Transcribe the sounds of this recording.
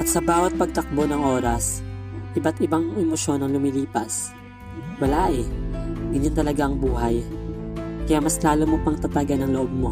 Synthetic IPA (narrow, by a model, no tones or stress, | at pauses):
ʔɐt̪sɐbaːwɐt̪̚pɐɡ̚t̪ɐk̚bonɐŋʔo̞ːɾɐsʔɪbat̪ɪbaŋʔɛmoʃo̞nɐŋlʊmiliːpɐs | wɐlaːʔɛɡɐɲːant̪ɐlɐɡaʔɐŋbuːɦɐj | kɐjamɐslaːlomopɐŋt̪ɐt̪aɡanɐŋloʔob̚mo̞